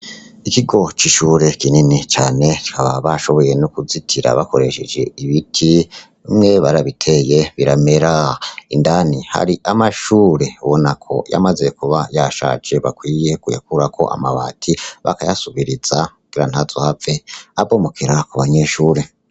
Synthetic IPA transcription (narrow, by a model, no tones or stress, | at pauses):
ikiɡo̞t͡ʃiʃuːɾe̞kininit͡ʃaːne̞t͡ʃi̥kaβaβaʃo̞βo̞je̞nukuzitʰiɾa̰βako̞ɾe̞ʃed͡ʒe̞̰iβitʰi | mŋe̞βaɾaβitʰe̞je̞βiɾame̞ɾaindaniha̰ɾiʔamaʃuːɾe̞uβo̞nakʰo̞̰ja̰maze̞kuβajaʃa̰d͡ʒe̞βakwiːje̞kuja̰kuɾakʰo̞̰ʔa̰maβaːtʰiβa̰kajasuβiɾiz̥akuɡ̥iɾan̥azo̞haveabomokʰiɾakuβaɲe̞ʃuːɾe̞